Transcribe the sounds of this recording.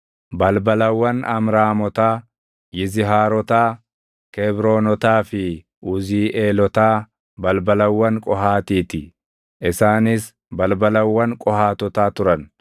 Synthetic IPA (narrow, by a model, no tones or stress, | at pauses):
bɐlbɐlɐwːɐnʔɐmɾaːmɔt̪aː | jɪzɪɦaːɾɔt̪aː | kɛbɾo̞ːnɔt̪aːfɪ | ʔʊziːʔeːlɔt̪aː | bɐlbɐlɐwːɐŋkʼɔɦaːt̪iːt̪ɪ | ʔɪsaːnɪs | bɐlbɐlɐwːɐŋkʼɔhaːt̪ɔt̪aːt̪ʊɾɐn